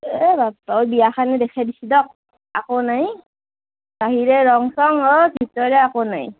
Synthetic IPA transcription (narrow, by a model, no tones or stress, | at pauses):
ɛbaɔbijaxanɛdɛkʰɛbisidɔk̚ | akonaj | baɦiɹɛɹɔŋsɔŋɔbʱitɔɹɛakonaj